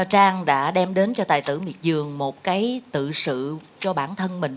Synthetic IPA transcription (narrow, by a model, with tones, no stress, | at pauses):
t͡ɕaː˧ŋɗa̰ː˧˥ɗɛ˧mɗe˨˦nt͡ɕɔ˧t̪a̰ː˨˩jt̪ɨ̰˧˩mḭ˨˩ət̚zɨ˨˩əŋmo˨˩t̚kaː˨˦jt̪ɨ̰˧˨sɨ̰˧˨ | t͡ɕɔ˧ɓaː˧˩nt̪ʰə˧nmï˨˩ŋ̟